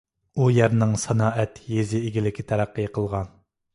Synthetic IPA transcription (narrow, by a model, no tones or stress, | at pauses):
ujæɾnɨŋsɑnɑːɛt̪jezɪːɡʲilɪkʲɪt̪ʰæɾæqːɨjqʰəlˠʁɑn